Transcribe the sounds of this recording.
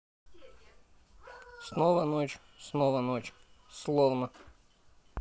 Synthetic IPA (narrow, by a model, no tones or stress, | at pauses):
snovənot͡ɕ | snovənot͡ɕslˠovnə